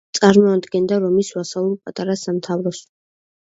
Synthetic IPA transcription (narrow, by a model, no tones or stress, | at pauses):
t̪sʼaɾmɔad̪ɡɛnd̪aɾɔmiswasalˠulˠpʼat̪ʼaɾasamt̪ʰavɾɔs